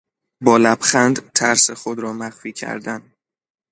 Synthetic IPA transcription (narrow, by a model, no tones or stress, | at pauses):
bɒːlæb̥xænd̪t̪ʰæɾsexod̪ɾɒːmæχfiːcʰæ̰ɾd̪æn